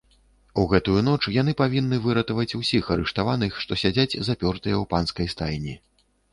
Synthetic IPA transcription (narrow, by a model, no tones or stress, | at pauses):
uɣɛt̪ujunɔt͡ʂjan̪ɨpavʲinːɨvɨɾɐt̪ɐvɐt͡sʲusʲixɐɾɨʂt̪avanɨxʂt̪ɔsʲad͡zʲad͡zʲzapʲɔrt̪ɨjɛwpanskɐjst̪ajnʲi